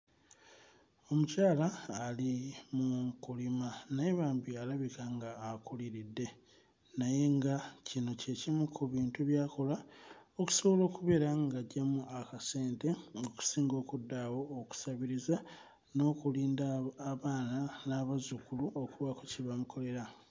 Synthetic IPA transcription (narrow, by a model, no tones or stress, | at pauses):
o̞mucaːlaːlimuŋkulimanajeβaːmbialaβikaŋɡaːkuliɾidːe̞ | naje̞ŋɡacino̞ce̞cimukʰuβiːntuβjaːko̞laoku̥so̞βo̞lo̞ːkuβe̞ɾaŋɡaɟːamuʔakase̞ːnte̞oku̥siːŋɡo̞ːkudːawo̞ːku̥saβiɾiza | no̞ːkuliːndaːβaːnanaβazukuluʔokuβakuciβamukʰo̞le̞ɾa